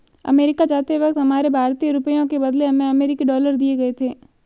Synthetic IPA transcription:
ɐ̰meːɾɪkad͡ʒaːt̪eɦʋɐk̚t̪ɦɐmaːɾebʱaːɾt̪ioɾʊpəjõkebɐd̪leɐmẽɐmeːɾɪkiɖɔːləɾd̪ieɡɐet̪ʰeː

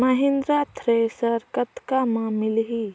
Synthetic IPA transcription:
məɦɪ̃nd̪ɾat̪ʰɾesəɾkət̪kamãːmɪlɦiː

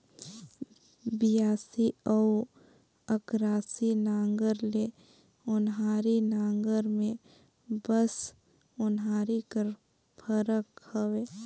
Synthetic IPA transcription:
bijaːsiɔw | əkɾaːsinaːŋɡəɾle | ʊnɦaːɾinaːŋɡəɾmẽ | bəs | ʊnɦaːɾikəɾ | pʰəɾəkhəweː

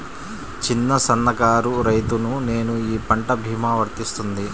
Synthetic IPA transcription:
t͡ʃinːɐsɐnːɐkaːɾuɾɐjt̪unune̞ːnuiːpɐɳʈɐbʱiːmaːʋɐɾt̪ist̪und̪i

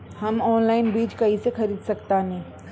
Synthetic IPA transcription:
hɐmɔːnlaːɪnbiːt͡ʃkɐɦisexɐɾiːd̪sɐkt̪anĩː

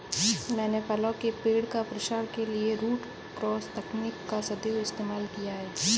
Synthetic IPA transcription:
mɛ̃ːnepɐlokepeːɽkapɾɪʃaːɾkelieɾuːʈ | kɾɔːst̪ɐkniːkːasɐd̪eːwɪst̪eːmaːlkijaɦɛː

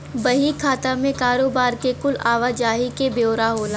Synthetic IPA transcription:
bɐɦikʰaːt̪amẽkaːɾoːbaːɾkekʊlaːʋad͡ʒaːɦikeboːɾaɦoːlaː

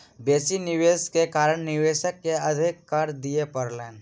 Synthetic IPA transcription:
beːsinɪʋeːskekaːɾəɳ̃nɪʋeːʃəkːeɐd̪ʱɪkːaɾd̪iepəɾleːn

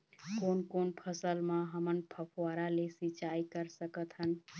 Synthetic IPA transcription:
konkonpʰəsəlmãɦəmənpʰəpʰwaɾalesit͡ʃaikəɾsəkət̪ʰɦən

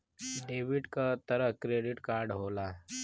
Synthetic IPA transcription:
ɖeʋiɖkat̪əɾəkɾeɖiʈkaɾɖɦola

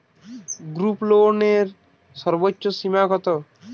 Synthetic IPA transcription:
ɡɾuploneɾ | sɔɾbotːʃosimaɡɔt̪o

